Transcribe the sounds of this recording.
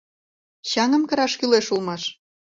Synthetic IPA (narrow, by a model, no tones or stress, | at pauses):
ɕɑŋə̆mkə̆ɾɑʃkyleʃulˠmɑʃ